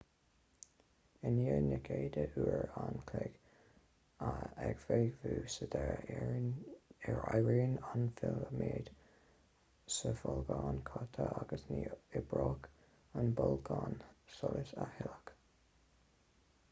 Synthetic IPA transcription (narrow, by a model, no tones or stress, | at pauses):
ɪniənəɡʰeːd̪əʔuːəɹankʰlɛɡ̥ | aɛɡ̥veːɡvuːsəd̪ɛɹ | ɛɹajɹiːnanfɪləmeːd̪̥ | səfɔlɡɑːnkʰɑt̪ʰəʔaɡəsniɪbɹoːk | ənbɔlɡɑːnsɔləsahɪlək